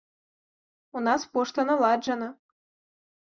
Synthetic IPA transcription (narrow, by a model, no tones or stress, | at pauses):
unɑspoʂt̪ɤ̆nɤ̆lˠɑd̪ʒɤnɤ̆